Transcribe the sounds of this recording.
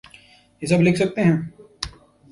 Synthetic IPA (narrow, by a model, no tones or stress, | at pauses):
jesɐblɪkʰsɐk̚t̪eɦɛ̃ː